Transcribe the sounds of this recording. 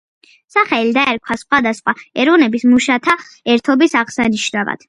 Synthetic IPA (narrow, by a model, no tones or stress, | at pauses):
saχɛlid̪aɛɾkʰwasχwad̪asχwaɛɾɔnɛbismuʃat̪ʰa | ɛɾt̪ʰɔbisaʁsaniʃnava̰d̪̥